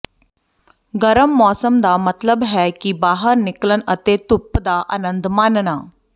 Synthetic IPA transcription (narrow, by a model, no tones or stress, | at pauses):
ɡəɾəmːɔsəmd̪amət̪ləbɦɛkiːbaːɦəɾniklənət̪et̪upːd̪aʔə̰nənd̪manna